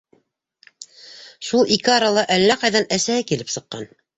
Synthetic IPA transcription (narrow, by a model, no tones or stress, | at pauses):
ʃulˠikɘɑɾɑlˠɑʔælːæqɑjðɑnæsæhɘkilɘpsɤ̆qːɑ̰n